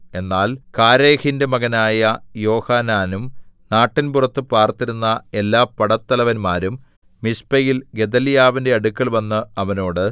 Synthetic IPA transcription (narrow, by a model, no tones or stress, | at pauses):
e̞nːaːlkaːɾeːhindemɐɣɐnaːjɐjo̞ːhaːnaːnumnaːʈːinpurɐt̪ːɨpaːrt̪ːiɾunːɐe̞lːaːpːɐɽɐt̪ːɐlɐʋɐnmaːɾumː | ispɐjilɡe̞d̪ɐljaːʋinde̞ɐɽukːɐɭʋɐnːɨɐʋɐno̞ːɽɨ